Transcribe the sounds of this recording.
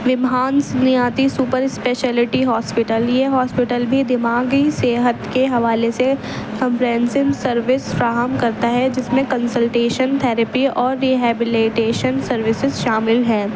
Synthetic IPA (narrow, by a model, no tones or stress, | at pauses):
ʋɪmɦaːnsnijaːt̪isuːpəɾɪspeːʃɛːlɪʈiɦɔːspɪʈəljeɦɔːspɪʈəlbʱid̪ɪmaːɡiseːɦət̪keɦɐʋaːlese | kɐ̃mpɾɛ̃ːnsɪmsɐɾʋɪsfɾaːɦəmkɐɾt̪aɦɛd͡ʒɪsmẽkɐ̃nsəlʈeːʃənt̪ʰɛːɾəpiʔɔːɾːiɦɛːbɪleːʈeːʃənsɐɾʋɪsɪzʃaːmɪlɦɛ̃ː